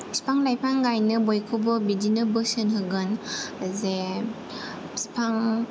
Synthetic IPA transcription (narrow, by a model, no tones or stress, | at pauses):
si̥pʰaŋlajpʰaŋɡajnɯbojkʰɯbɯbidinɯbɯsɯnɦɯɡɯnze | si̥pʰaŋ